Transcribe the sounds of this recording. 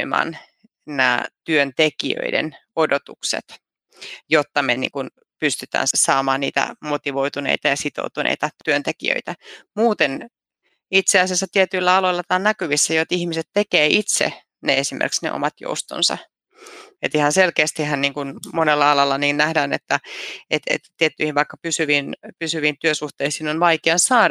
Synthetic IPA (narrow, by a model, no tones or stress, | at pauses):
mɑ̰ːn | næ̰ːt̪yønt̪ekiø̰idḛnodot̪uksḛt̪ | jot̪ːɑmenḭŋkun | pyst̪yt̪æ̰ːnsɑːmɑːnniːt̪æ̰mot̪iʋojt̪unḛit̪ɑjɑsit̪o̰ut̪unḛijt̪ɑt̪yønt̪ekḭø̰it̪æmuːt̪en | it̪seɑsiɑsːɑt̪iet̪yilːæɑloilːɑt̪ɑːnækyʋisːæjoet̪ihmiset̪t̪ekeːʔit̪sḛ | neesimʔḛrksnḛʔo̰mɑt̪jo̰ust̪o̰nsɑ̰ | et̪ihɑnselkeːst̪ihhænniːŋkunmonelːɑɑlɑlːɑniːnnæhdæːnḛt̪ːæet̪ḛt̪ːt̪iet̪ːyihiʋʋɑikːɑpysyʋinpysyʋint̪yøsuht̪eːhsiːnonʋɑikeɑnsɑːɾ